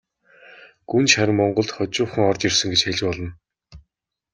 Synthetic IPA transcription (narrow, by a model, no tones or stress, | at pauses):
ɡ̥unʃaɾə̆mːɔɴɢɞ̆ɮt̪χɔt͡ɕʊːχə̆ŋɔrt͡ɕ̪irsə̆ŋɡet͡ɕxeɮʲpɔɮɞ̆n